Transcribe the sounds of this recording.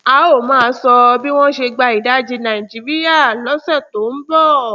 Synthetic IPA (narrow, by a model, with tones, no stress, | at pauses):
a˨˦o˦˨mãː˨˦˧sɔ˧bi˦w̃ɔ̃˦ʃe˧ɡ͡ba˧i˨da˦d͡ʒi˧nã˨i˨d͡ʒi˨˦ɾi˦ja˦˨lɔ˨˦sɛ˦˨to˨˦n̩˦bɔ˦˨